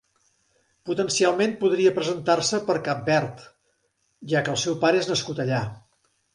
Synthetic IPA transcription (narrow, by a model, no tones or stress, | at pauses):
put̪ənsialˠmenpuðɾiəpɾəzənt̪arsəpəɾkap̚bɛɾt̪ | ʒakəːlˠsɛwpaɾəeznəskut̪əʎa